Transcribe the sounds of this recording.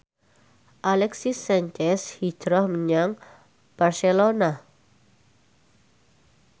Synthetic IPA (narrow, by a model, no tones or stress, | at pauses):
ʔalɛksisaɲt͡ʃɛshid̥ɾɔhməɲaŋ | b̥arselona